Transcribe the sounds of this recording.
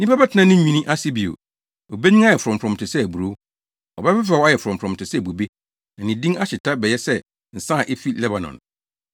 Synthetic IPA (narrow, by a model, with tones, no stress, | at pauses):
nĩ˦pa˦bɛ˦tʰɪ˨nã˦nɪ̃˦ɲĩ˨nĩ˦ʔa˦si˦bi˨o̰˨ | o˨be˦ɲĩ˦a˦jɛ˨fʊ˨ɾɔ̃˨m˨pʰɾɔ̃˨mtʰɪ˨sɛ˦æ˨bu˨ɾo˦ | ɔ˨bɛ˦fɛ˦f̬ɾɛ˨wɔ˦a˦jɛ˨fʊ˨ɾɔ̃˨m˨pʰɾɔ̃˨m˨tɪ˨sɛ˦˨bu˨be˦ | nã˨nĩ˨dĩ˦ŋa˦ɕɪ˨tʰa˦bɛ˨jɛ˦sɛ˦ | n̩˨sã˦˨ʔe˦fi˦lɛ˦ba˨nɔ̰̃˨n